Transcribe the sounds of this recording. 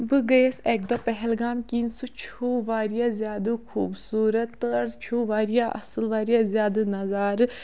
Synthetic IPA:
bɨɡɐjeseːk̚d̪ɔːpɛɦɛlɡaːmkinsut͡ʃʰuːʋaːɾjaːzʲjaːd̪ɨkʰuːbsuːɾɐt̪ːɨɾt͡ʃʰuʋaːɾjaːʔɐ̰sɨlʋaːɾijaːzjaːd̪ɨnɐzaːɾɨ

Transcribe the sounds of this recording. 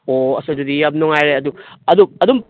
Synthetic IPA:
oɐsɐdudijap̚nɔŋajɾeɐduɐd̪uɐdum

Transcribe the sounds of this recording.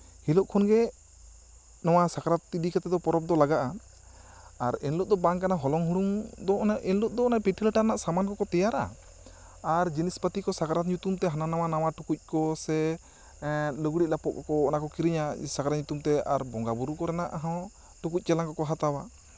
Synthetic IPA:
hilɔʔkʰɔnɡɛ | nɔwasakaɾat̪̚ːid̪ikat̪ɛd̪ɔpɔɾɔp̚d̪ɔlaɡaʔa | ɾɛnlɔʔ̚d̪ɔbaŋkanaɦɔlɔŋɦuɽuŋd̪ɔʔɛnlɔʔd̪ɔɔnaʔpiʈʰiləʈaɾɛnaʔsamankɔkɔt̪ɛjaɾa̰ | aɾd͡ʒinispət̪ikɔsakaɾat̪ɲut̪umt̪ɛɦananawanawaʈukuc̚ˀkɔsɛ | ləɡɽic̪̚ˀlapɔʔ̚kɔkɔːnakɔkiɾiɲasakaɾaɲut̪umt̪ɛa̰ɾbɔŋɡabuɾukɔɾɛnaʔɦɔ̃ | ʈukuc̚ˀt͡ʃɛlaŋkɔkɔɦat̪awa

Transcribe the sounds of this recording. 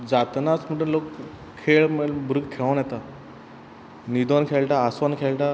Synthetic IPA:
d͡zat̪nat͡sm̤əʈənlok | kʰːeɭmebɾuɡkʰːeɭãnjɛt̪a | nid̪onkʰeɭʈaːsʋankʰeɭʈa

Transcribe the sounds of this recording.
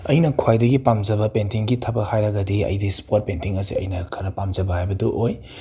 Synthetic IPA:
ɐjnɐkʰwajdɐɡipamd͡ʒɐbɐpentiŋɡitʰɐbɐhajɾɐɡɐdiɐ̰jdispot̚pentiŋɐzḭɐ̰jnɐkʰɐɾɐpamd͡ʒɐbɐhajbɐduʔoj

